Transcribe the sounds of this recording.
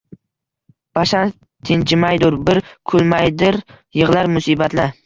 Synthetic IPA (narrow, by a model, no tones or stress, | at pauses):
b̥aʃan | t̪ʰɪnt͡ʃʰɪmajd̪ʊɾbɪɾkʰʊlˠmajd̪ɪɾ | jɨʁlaɾmʊsiːbat̪la